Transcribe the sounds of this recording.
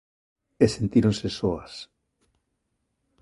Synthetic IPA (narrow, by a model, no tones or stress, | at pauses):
esent̪iɾonsesoas